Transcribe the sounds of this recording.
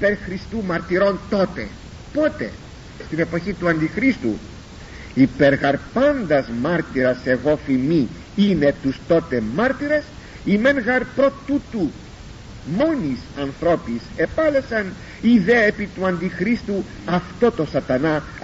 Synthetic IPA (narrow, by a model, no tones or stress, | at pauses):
ipeɾxɾist̪umɐɾt̪iɾo̞nt̪o̞t̪e̞̰ | po̞t̪e̞̰ | st̪ine̞po̞çit̪uɐnd̪ixɾist̪ṵ | ipe̞ɾɣɐɾpɐnd̪ɐzmɐɾt̪iɾɐse̞ɣo̞fimi | ine̞t̪ust̪o̞t̪e̞mɐɾt̪iɾe̞s | ime̞nɣɐɾpɾo̞t̪ut̪u | mo̞nisɐnθɾo̞pise̞pɐle̞sɐn | iðe̞epit̪uɐnd̪ixɾist̪u | ɐft̪o̞t̪o̞sɐt̪ɐnɐ